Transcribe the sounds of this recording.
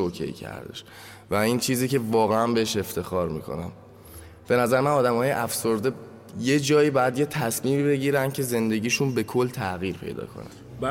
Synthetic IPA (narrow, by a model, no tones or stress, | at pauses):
okʰḛḭcʰæ̰ɾd̪e̞̰ʃ | væiːnt͡ʃʰiːziːce̞vɒːɣe̞ænbeeʃe̞ft̪ʰe̞xɒːɾmḭːkʰo̞̰næ̰m | b̥e̞næzæɾemænɒːd̪æmhɒːjḛʔæfso̞ɾd̪e̞ | je̞d͡ʒɒːiːbɒːjæd̪je̞t̪ʰæsmiːmiːbe̞ɟiːɾænd̪̚cʰe̞ze̞nd̪e̞ɟiːʃunbe̞kʰo̞lːt̪ʰæɣiːɾpʰe̞̰jd̪ɒ̰ːkʰo̞̰næ̰n